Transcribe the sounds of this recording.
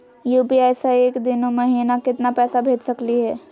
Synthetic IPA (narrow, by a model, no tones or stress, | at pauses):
juːpiaɪsaeːkd̪ɪnomɐɦiːnakɪt̪napɛːsabʱeːd͡ʒsɐkliɦɛː